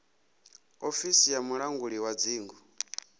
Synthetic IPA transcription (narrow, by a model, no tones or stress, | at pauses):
ofisijamuɺaŋɡuɺiwad͡ziːŋɡu